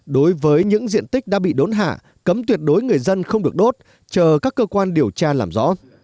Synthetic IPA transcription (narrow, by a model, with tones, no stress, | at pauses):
ɗo˨˦jvəː˨˦jɲɨ̰˧˥ŋzḭ˧˨ənt̪ï˦˥k̚ɗa̰ː˧˥ɓḭ˧˨ɗo˨˦nɦa̰ː˧˨ | kə˨˦mt̪wi˨˩ət̚ɗo˨˦jŋɨ˨˩əjzə˧nxə˧wŋ͡mɗɨ˨˩ək̚ɗo˦˥t̚ | t͡ɕəː˨˩kaː˦˥kːəː˧kwaː˧nɗi˨˩əwt͡ɕaː˧laː˨˩mzɔ̰˧˥